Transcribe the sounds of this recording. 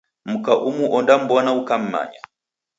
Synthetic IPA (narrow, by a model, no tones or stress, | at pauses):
m̩kaʔumuʔɔndam̩bɔnaukam̩ma̰ɲa